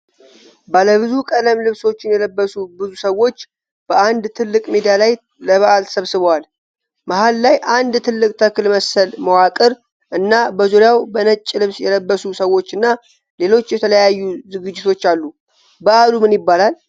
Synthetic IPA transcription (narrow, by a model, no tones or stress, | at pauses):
baləβɨzukʼələmlɨβso̞t͡ʃːɪnjɛləbːəsubɨzusəwːo̞t͡ʃː | b̥əʔand̪t̪ʰɨlːɨkʼmed̪ijalaj | ləβaʔalʰə̥səβsɨβwal | mahalːajʔand̪t̪ʰɨlːɨkʼt̪ʰəkɨlməsəlməwakʼɨɾ | ʔɨnːabəzoɾjawbənət͡ʃʼːlɨβsjɛləbːəsusəwo̞t͡ʃːɨnːa | le̞lo̞t͡ʃːjɛt̪ʰələjajːuzɨɡɨd͡ʒːɪt̪ʰo̞t͡ʃːalːu | bəʔalumɨnjɪbːalal